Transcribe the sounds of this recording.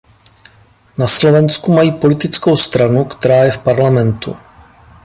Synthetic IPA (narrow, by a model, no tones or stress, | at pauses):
naslo̞vɛnskumajiːpo̞lɪt̪ɪt͡sko̞wst̪ɾanukt̪ɛɾaːjɛfpaɾlamɛnt̪ṵ